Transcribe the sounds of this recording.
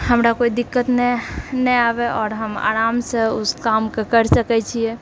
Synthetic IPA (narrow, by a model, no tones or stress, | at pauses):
ɦəmɾakoid̪ikːət̪nenɛabɛʔɔːɾɦəma̰ɾamsẽuskamkekəɾsəkɛt͡ʃʰijɛ